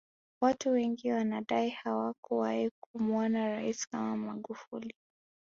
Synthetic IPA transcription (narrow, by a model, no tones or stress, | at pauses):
watuwɛŋɡiwanaɗaihawakuwaikumwɔnaɾaiskamamaɠufṵli